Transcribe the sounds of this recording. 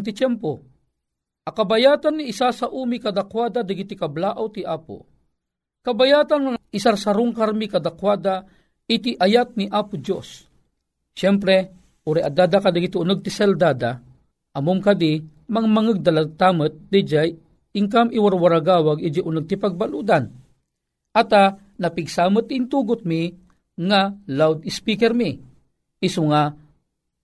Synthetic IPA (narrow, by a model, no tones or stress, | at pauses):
t̪̬it͡ʃɛmpo | ʔɐkabajat̪anːiʔːsasaʔuːmikad̪akwaːd̪ad̪ɐɡit̪ikablaːʔawt̪iʔaːpo̰ | kɐbajaːt̪anŋaisaɾsaɾʊŋkaɾmikad̪akwad̪a | it̪iʔɐjat̪̚niʔaːpʊd͡ʒosː | ɛmpɾɛ | ʔuɾɛʔad̪aːd̪akad̪aɡit̪iʊnəɡ̚t̪isɛld̪aːd̪a | ʔɐmomkad̪i | maŋamaŋəɡ̚d̪alaɡ̚t̪amət̪̚d̪id͡ʒaj | ɪŋkamʔiwaɾwaɾaɡaːwaɡid͡ʒiʔʊnəɡ̚t̪ipaɡ̚balud̪an | ʔat̪a | nɐpiɡsaːmət̪int̪uːɡʊt̪̚mi | ŋalawd̪ɪspikɛɾmi | isʊŋa